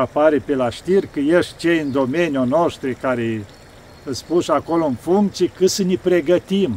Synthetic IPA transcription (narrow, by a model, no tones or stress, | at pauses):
apaɾepelaʃt̪irkəjeʃt̪̚ʲt͡ʃejɨnd̪o̞menjonoʃt̪ɾekaɾe | ɨspuʃakoloɨnfuŋkt̪siekɨt̪sənʲipɾe̞ɡət̪im